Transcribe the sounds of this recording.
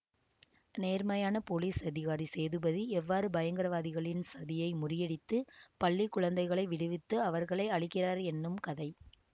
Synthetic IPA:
neːɾmɐjaːnɐpoliːsɐðɪɣaːɾiseːðɯbɐðiɛʋːaːɾɯbɐjɐŋɡɪɾɐʋaːðɪɣɐɭɪnsɐðɪjɐɪmʊrɪjɛɽɪt̪ːɯpɐɭːikːʊɻɐnd̪ɐɪɣɐɭɐɪʋɪɽɯʋɪt̪ːɯɐʋɐɾɣɐɭɐɪɐɭɪkːɪraːɾɛnːɯmkɐðɐɪ

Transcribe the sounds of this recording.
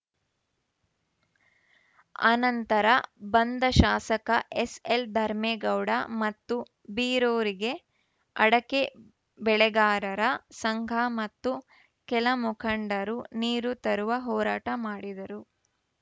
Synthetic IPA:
ɐ̰nɐnt̪ɐɾɐbɐnd̪ʱɐʃaːsɐkɐʔeseld̪ʱɐɾmeːɡɐwɽɐmɐt̪ːu | biːɾoːɾiɡe̞ | ɐɽɐke | bɛɭɛɡaːɾɐɾɐsɐŋɡʱamɐt̪ːu | kɛlɐmukʰɐɳɖɐɾuniːɾut̪ɐɾuʋɐɦɔːɾaːʈɐmaːɽid̪ɐɾu

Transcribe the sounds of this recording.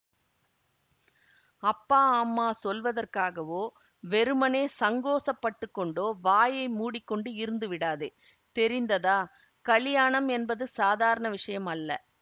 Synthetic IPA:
ɐpːaːaːmːaːsɔlʋɐðɐrkaːɣɐʋoː | ʋɛɾɯmɐneːsɐŋɡoːsɐpːɐʈːɯkːɔɳɖoːʋaːjɐɪmuːɽɪkːɔɳɖɯɪɾɯnd̪ɯʋɪɽaːðɯ | t̪ɛɾɪnd̪ɐðaː | kɐɭɪjaːɳɐmɛnbɐðɯsaːðaːɾɐɳɐʋɪʂɐjɐmɐlːɐ̰

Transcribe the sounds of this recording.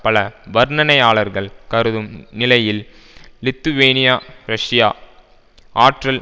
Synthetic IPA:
pɐlɐʋɐɾnɐnɐɪaːɭɐɾɣɐɭkɐɾɯðɯmnɪlɐjɪlː | ɪt̪ːuʋeːnɪjaːɾɐʂɪjaː | ʔaːʈrɐl

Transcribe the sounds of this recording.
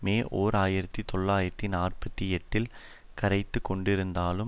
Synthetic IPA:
meːʔoːɾaːjɪɾɐt̪ːit̪ɔɭːaːjɪɾɐt̪ːinaːrpɐt̪ːiɛʈːɪl | kɐɾɐɪt̪ːɯkːɔɳɖɪɾɯnd̪aːlɯ

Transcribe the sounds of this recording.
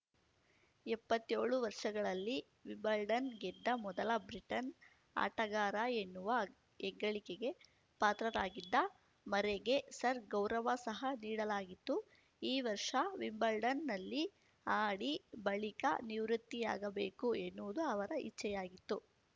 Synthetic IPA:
ɛpːɐt̪ːeːɭuʋɐɾʂɐɡɐɭɐlːi | ʋimbɐlɖɐnɡɛd̪ːɐmɔd̪ɐlɐbɾiʈɐn | a̰ːʈɐɡaːɾɐenːuʋɐ | ɛɡːɐɭikeɡe̞ | paːt̪ɾɐɾaːɡid̪ːɐ | mɐɾeɡe̞sɐɾɡɐwɾɐʋɐsɐɦɐniːɽɐlaːɡit̪ːu | iːʋɐɾʂɐʋimbɐlɖɐnːɐlːi | aːɽibɐɭikɐ̰niʋɾut̪ːija̰ːɡɐbeːkuenːuʋud̪uɐʋɐɾɐḭt͡ʃːɛjaːɡit̪ːu

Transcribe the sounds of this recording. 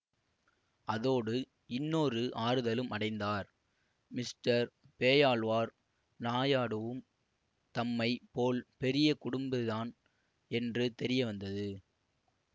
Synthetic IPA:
ɐðoːɽɯ | ɪnːoːɾɯʔaːɾɯðɐlɯmɐɽɐɪnd̪aːɾ | mɪsʈɐɾ | peːjaːɭʋaːɾ | naːjaːɽɯʋɯm | t̪ɐmːɐɪpoːlpɛɾɪjɐkʊɽɯmbɯðaːn | ɛndrɯt̪ɛɾɪjɐʋɐnd̪ɐðɯ

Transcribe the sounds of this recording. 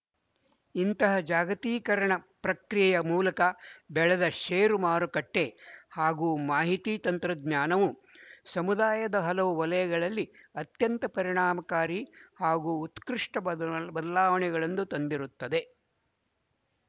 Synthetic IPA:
int̪ɐɦɐd͡ʒaːɡɐt̪iːkɐɾɐɳɐpɾɐkɾijjɐmuːlɐkɐbɛɭɐd̪ɐʃeːɾumaːɾukɐʈːe̞haːɡuːmaːɦit̪iːt̪ɐnt̪ɾɐd̪ɲaːnɐʋusɐmud̪aːjɐd̪ɐɦɐlɐʋuʋɐlɐjɐɡɐɭɐlːiɐt̪jɐnt̪ɐpɐɾiɳaːmɐkaːɾihaːɡuːt̪kɾiʂʈɐbɐd̪ɐlaːʋɐɳɛɡɐɭɐnd̪ut̪ɐnd̪iɾut̪ːɐd̪e̞

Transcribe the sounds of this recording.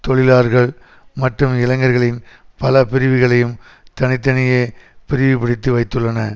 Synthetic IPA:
t̪ɔɭɪlaːɾɣɐɭ | mɐʈrɯmɪlɐŋɡɐɾɣɐɭɪnpɐlɐpɪɾɪʋɪɣɐɭɐjɯm | t̪ɐnɪt̪̬ːɐnɐjeːpɪɾɪʋipɪɽɪt̪ːɯʋɐɪt̪ːɯɭːɐnɐ

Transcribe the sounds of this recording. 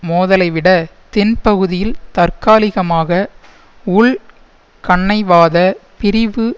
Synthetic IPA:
moːðɐlɐɪʋɪɽɐt̪ɪnpɐɣɯðɪjɪlt̪ɐrkaːlɪɣɐmaːɣɐ | ʊɭ | kɐɳːɐɪʋaːðɐpɪɾɪʋɯ

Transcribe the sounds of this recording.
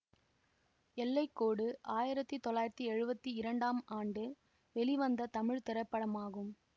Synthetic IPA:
ɛlːɐɪkːoːɽɯʔaːjɪɾɐt̪ːit̪ɔlːaːjɪɾɐt̪ːiɛɻɯbɐt̪ːiɪɾɐɳɖaːmaːɳɖɯ | ʋɛlɪʋɐnd̪ɐt̪ɐmɪɻt̪ɪɾɐɪpːɐɽɐmaːɣɯm

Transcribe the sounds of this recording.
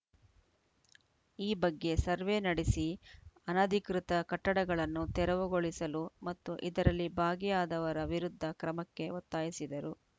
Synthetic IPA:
iːbɐɡːe̞sɐɾʋe̞nɐɽesiɐnɐd̪ʱikɾit̪ɐkɐʈːɐɽɐɡɐɭɐnːut̪ɛɾɐʋuɡoɭisɐlumɐt̪ːuʔid̪ɐɾɐlːibʱaːɡijaːd̪ɐʋɐɾɐʋiɾud̪ʱːɐkɾɐmɐkːe̞ot̪ːaːjisid̪ɐɾu

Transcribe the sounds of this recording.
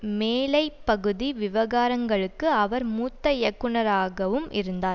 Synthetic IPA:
meːlɐɪpːɐɣɯðiʋɪʋɐɣaːɾɐŋɡɐɭɯkːɯɐʋɐɾmuːt̪ːɐjɛkːʊɳɐɾaːɣɐʋɯmʔɪɾɯnd̪aːɾ

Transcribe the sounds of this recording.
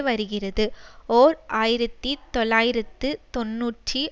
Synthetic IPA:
ʋɐɾɯɣɪrɐðɯoːɾaːjɪɾɐt̪ːit̪ɔlːaːjɪɾɐt̪ːɯt̪ɔnːuːʈri

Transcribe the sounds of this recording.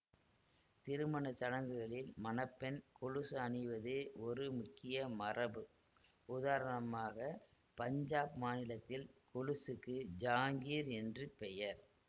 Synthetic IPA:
t̪ɪɾɯmɐnɐt͡ʃɐɽɐŋɡɯɣɐɭɪlmɐnɐpːɛnkʊɻɯsɐɳɪʋɐðɯɔɾɯmʊkːɪjɐmɐrɐbɯ | ʊðaːɾɐɳɐmaːɣɐ | pɐɲd͡ʒaːpmaːnɪlɐt̪ːɪlkʊɻɯsɯkːɯd͡ʒaːŋɡiːɾɛndrɯpɛjɐɾ

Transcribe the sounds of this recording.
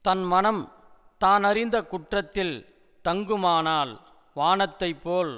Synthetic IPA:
t̪ɐnmɐnɐm | t̪aːnɐɾɪnd̪ɐkʊʈrɐt̪ːɪl | t̪ɐŋɡɯmaːnaːl | ʋaːnɐt̪ːɐɪpːoːl

